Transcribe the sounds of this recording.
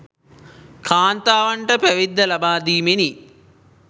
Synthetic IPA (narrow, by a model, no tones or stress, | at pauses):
kʰaːnt̪aːʋɐɳʈɐpɐʋid̪ːɐlɐbaːd̪iːmeni